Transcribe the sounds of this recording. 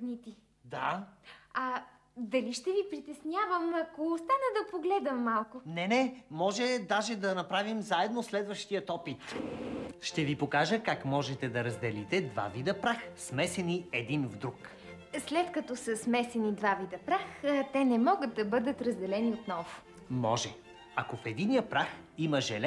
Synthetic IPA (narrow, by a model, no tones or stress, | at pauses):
nit̪i | d̪a | ɐ | d̪ɐliʃt̪ɛvipɾit̪ɛsnʲjavəmɐkoːst̪anəd̪ɐpoɡlɛd̪əmːalˠkʊnɛnɛmɔʒɛd̪aʒɛd̪ɐnɐpɾavimzaɛd̪noslɛd̪vəʃt̪ijət̪ɔpit̪ | ʃt̪ɛvipokaʒəkakmɔʒɛt̪ɛd̪ɐɾɐzd̪ɛlit̪ɛd̪va̰vid̪əpɾaxsmɛsɛniɛd̪invd̪ɾuk | slɛt̪kɐt̪ɔsəsmɛsɛnid̪vavid̪ɐpɾaxt̪ɛnɛmɔɡət̪̚d̪ɐbɤd̪ət̪ɾɐzd̪ɛlɛniot̪nɔvʊ | mɔʒɛ | ɐkofɛd̪inijəpɾax | iməʒɛlɛ